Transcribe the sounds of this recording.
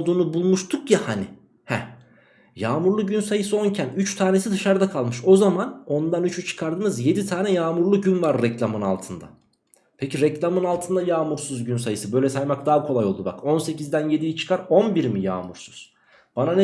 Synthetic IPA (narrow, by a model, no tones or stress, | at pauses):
lˠd̪uːnubulˠmuʃt̪ʰukjahani | hɛ | jaːmuɾlˠuɟynsajɯsɯo̞ncʰænyt͡ʃt̪ʰaːne̞sid̪ɯʃaɾd̪akʰalˠmɯʃo̞zamano̞nd̪anyt͡ʃʰyt͡ʃʰɯ̥kʰaɾd̪ɯmɯzje̞d̪it̪ʰaːnɛjaːmuɾlˠuɟynvaɾːɛclʲamɯna̰lˠt̪ʰɯnd̪a̰ | pʰeciɾɛclʲamɯnalˠt̪ʰɯnd̪ajaːmuɾsuzɟynsajɯsɯbø̞jlʲɛsajmak̚d̪aːkʰo̞lˠajo̞lˠd̪uba̰ko̞nse̞cizd̪ænje̞d̪ijit͡ʃʰɯ̥kʰaɾo̞nbiɾmija̰ːmuɾsuz̥ | b̥ananɛ